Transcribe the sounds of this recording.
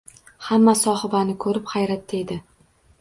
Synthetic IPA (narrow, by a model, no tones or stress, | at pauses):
hamːasɒhɪbanɪkʰɵɾɪpχajɾat̪ʰːed̪ɪ